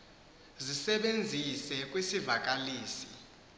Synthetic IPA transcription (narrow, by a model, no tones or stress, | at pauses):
zisɛɓend͡zʱisɛkʼwisivakʼaliːsi̥